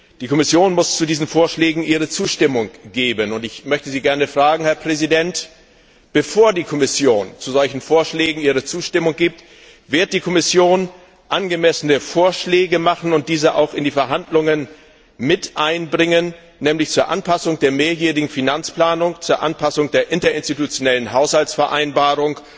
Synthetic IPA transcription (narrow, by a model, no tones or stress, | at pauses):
d̥iːkʰɔmɪsjoːnmʊst͡sudiːzn̩foːɐʃlɛːɡŋ̩ʔiːʁ̞ət͡suːʃtɪmʊŋɡ̥eːbənʊntɪçmœçtəziːɡɛɐnəfʁ̥aːɡŋ̩hɛɐpʁ̥ɛzidɛnt | b̥əfoːɐdiːkʰɔmɪsjoːnt͡suzɔlçn̩foːɐʃlɛːɡŋ̩iːʁət͡suːʃtɪmʊŋɡiːp̚t | vɪɐt̚d̥iːkʰɔmɪsjoːn | ʔanɡəmɛsənəfoːɐʃlɛːɡəmaχn̩ʊnt̚d̥iːzəʔa̰ʊxɪndiːfɛɐɦandlʊŋən | mɪtʔaɪnbʁɪŋənː | ɛːmlɪçt͡suːɐʔa̰npʰasʊŋd̥eːɐmeːɐjeːʁɪɡŋ̩finant͡spl̥aːnʊŋt͡suːɐʔa̰npʰasʊŋd̥eːɐʔɪntɐɪnstitut͡sjonɛlənɦaʊshaltsfɛɐʔaɪnbaːʁ̞ʊŋ